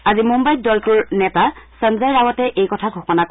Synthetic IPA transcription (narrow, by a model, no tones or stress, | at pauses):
azimumbaj̚dɔlkuɹnɛtasənzajɹawɔtɛʔejkɔtʰaɡʱɔxɔnak